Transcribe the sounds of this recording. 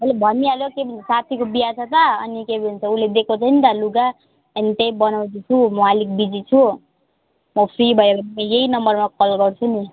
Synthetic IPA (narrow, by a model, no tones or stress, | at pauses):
ɦʌlebʱʌnːialjokebʱʌnʰʌsat̪ʰikobijat͡sʰʌt̪ʌʌ̰nikebʱint͡sʰʌuled̪ekʰot͡sʰʌnit̪aluɡa | ʌnit̪ejbʌnaw̃dit͡sʰumɔalik̚bid͡zit͡sʰu | mʌpʰribʱʌeɾʌiejeinʌmbʌrmakʌlɡʌrt͡sʰuni